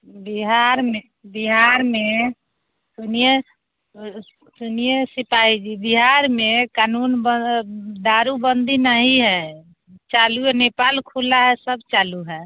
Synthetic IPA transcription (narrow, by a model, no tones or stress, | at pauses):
biɦaɾme | biɦaɾme | sunije | sunijəsipaid͡ʒibiɦaɾmekanunbəd̪aɾubənd̪inəɦiɦɛ | t͡ʃaluenepalkʰulaɦɛsəbt͡ʃaluɦɛ